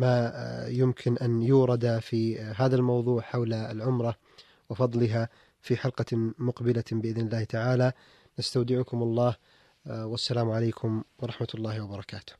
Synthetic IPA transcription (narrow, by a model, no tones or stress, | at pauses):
maːjʊmkʰɪnʔanjuːɾˤɑd̪afiɦaːðalmɑwðˤuːʕħawlalʕʊmɾˤɑ | wɪfɑðˤlɪɦa | fiħalqɑmʊqbɪlabɪʔɪðnɪlːaːht̪aʕaːla | nast̪awd̪ɪʕʊkʊmʊlˤːɑːh | wasːalaːmʕalejːkʰʊmwɑɾˤɑħmat̪lˤːɑːhɪwɑbɑɾˤɑkaːt̪ʊ̥h